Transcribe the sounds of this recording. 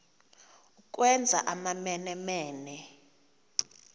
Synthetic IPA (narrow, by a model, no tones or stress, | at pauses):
uk̬ʼwɛnd͡zʱa̰ʔamamɛnɛmɛːnɛ